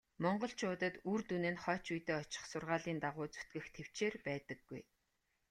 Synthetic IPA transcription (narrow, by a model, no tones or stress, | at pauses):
mɔɴɢɞ̆ɬt͡ɕʰʊːt̪ə̆t̪urt̪unɘ̆nχɔːt͡ɕujt̪eːɔt͡ɕɪ̥̆χsʊrʁaːɮiːnt̪aʁʊːt͡su̥t̪ɡɘ̆xt̪ʰew̥t͡ɕeːrpæːt̪ə̆ɡːuj